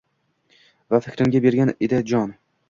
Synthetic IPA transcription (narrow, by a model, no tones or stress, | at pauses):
vafɪkʲɾɪŋɡʲabe̞ɾɡʲaned̪ad͡ʒɒn